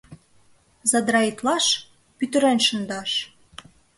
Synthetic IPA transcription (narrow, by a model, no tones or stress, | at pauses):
zɑd̪ɾɑit̪lɑʃ | pyt̪ɘ̆ɾænʃə̆nd̪ɑʃ